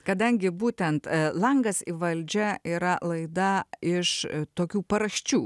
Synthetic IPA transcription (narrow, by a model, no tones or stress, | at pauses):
kɐd̪ɐŋʲɡʲɪbuːt̪ʲɛnt̪lˠɐŋɡɐsiʋɐlʲd͡ʒʲɛiːɾɐlˠɐɪd̪ɐɪʃt̪oːkʲuːpɐɾɐʃʲt͡ʃʲuː